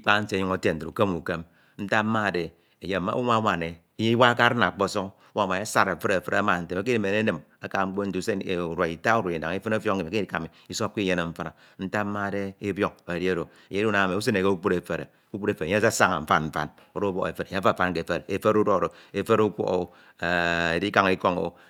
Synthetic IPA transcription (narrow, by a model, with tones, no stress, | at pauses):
i˦k͡pa˦n̩˦sɲu˦ŋo˦te˦n̩˨ɾṵ˨ke˦mu˨ke˦m | n̩˦ta˦ma˦˨de˨ | e˨je˦˨ma̰˦u˦ma˦wa˨ne˨˦je˦i˦wa˦ka˦ɾɨ˦na˨k͡po˦so˦kwa˦˨ma˨e˦sa˦ɾe˨fe˦ɾfɾḛ˦a˦ma˨n̩˨te˨ma˨k̬i˦n˨me˨ne˦nɨ˨m | a˦ka˨ŋ͡m̩˦k͡po˦n̩˦tu˦se˦e˨u˨ɾwa˨i˨ta˦u˦ɾo˨i˨da̰˨ŋi˦fe˦no˦fjo˦kŋ̩˦e˨mi˨ki˦ka˨mi˨i˦so˦kʷi˦je˦ne˨ɱ̩˦fa˦ɾa˨ | n̩˦ta˦mːa˦˨de˦e˦bjo˦k̚e˨ɾi˦o˦ɾo˨ | e˨ɲe˦u˦na˨a˨me˨u˦se˦ne˨ke˦u˦k͡pu˦ɾe˨fe˨ɾḛ˨ | u˦k͡pu˦ɾe˨fe˨˦sa˦sa˦ŋa̰˨m̩˦fa̰˦nm̩˦fa̰˨n | o˦ɾo˦bo̰˦ḛ˨fe˨ɾe˨ɲe˦a˦˨fa˦nke˨fe˦ɾe˨fe˦ɾu˦ɾo˦˨ɾo˨e˨fe˦ɾu˦kʷo̰˦o̰˨˦˨ | a˨e˨di˦ka˨ŋi˦ko˦ŋo̰˨